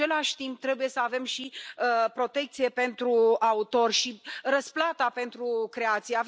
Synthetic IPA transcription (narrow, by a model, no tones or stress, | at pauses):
e̞laʃʲt̪imp̚t̪ɾe̞buje̞səave̞mʃiəpɾo̞t̪e̞k̚t̪sije̞pe̞nt̪ɾuaut̪o̞rʲʃiɾəsplat̪ape̞nt̪ɾukɾe̞at̪sijeav